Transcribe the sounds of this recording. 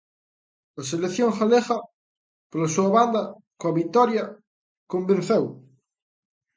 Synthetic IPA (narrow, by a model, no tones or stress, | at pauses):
ɐselekθjoŋxaleɣɐ | polɐsuɐβand̪ɐ | koɐβit̪ɔɾjɐ | kombẽnθew